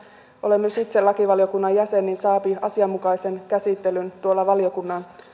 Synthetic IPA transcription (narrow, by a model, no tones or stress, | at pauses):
ʔo̞lemːysit̪selɑkiʋɑlijokunːɑjæsenːinsɑːpiɑsiɑmːukɑise̞nkæsit̪ːelynt̪uolːɑʋɑlio̞kunːɑn